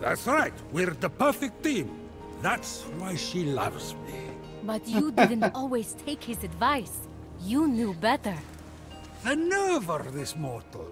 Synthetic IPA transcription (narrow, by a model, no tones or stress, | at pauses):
ðæ̰tsɹaɪt̚wɪððəpʰɜ˞fɪk̚tθĩm | ðætswaɪʃilʌ̰vzmḭ | bʌtjɨdɪdⁿn̩tɔlˠwiz̥tʰeɪkhɪzɨdvaɪs | junjubɛɾə˞ | ðənɜ˞və˞ðɪsmɔɹtˡl̩ˠ